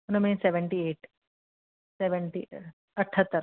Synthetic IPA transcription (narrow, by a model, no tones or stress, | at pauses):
nomĩːnseʋeɳʈieːʈ | seʋeɳʈḭ | ɐʈʰːɐt̪ːɐɾ